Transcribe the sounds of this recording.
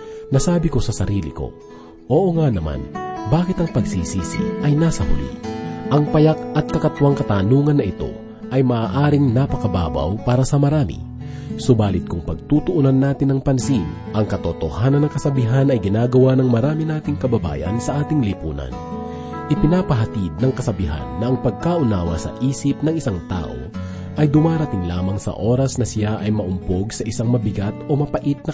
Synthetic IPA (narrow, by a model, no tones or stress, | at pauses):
nɐsaːbɪko̞sɐsɐɾiːlɪ̰ko̞̰ | ʔoːʔoŋanɐma̰nbaːkɪt̪ɐŋpɐɡsiːsiːsḭʔɐjnaːsɐhʊ̰lḭʔɐŋpɐjak̚ɐt̪̚kɐkɐt̪waŋkɐt̪aːnuːŋɐnːɐʔɪt̪o̞̰ | ʔɐjmɐʔaːʔaːɾɪŋnɐpɐkɐba̰ːba̰wpaːɾɐsɐmɐɾaːmḭ | sʊbaːlɪt̪̚kʊŋpɐɡ̚t̪uːt̪ʊʔunɐnːaːt̪ɪnːɐŋpɐnsiŋ | ʔɐŋkɐt̪ot̪o̞haːnɐnːɐŋkɐsɐbiɦanɐjɡɪnaːɡɐwanɐŋmɐɾaːminaːt̪ɪŋkɐbɐba̰ːjɐ̰nsɐʔaːt̪ɪŋlipuːnɐ̰n | ʔɪpɪnaːpɐɦɐt̪id̪̚nɐŋkɐsɐbɪɦa̰nːɐʔɐŋpɐɡ̚kaːʔʊnaːwɐ̰sɐ̰ʔiːsɪp̚nɐŋɪsaŋt̪a̰ːʔo̰ | ʔɐjd̪ʊmaːɾɐt̪ɪŋla̰ːmɐŋsɐ̰ʔo̞ːɾɐsnɐsɪjaʔɐjmɐʔʊmpo̞ɡsɐʔɪsaŋmɐbɪɡat̪o̞mɐpɐʔit̪̚nɐ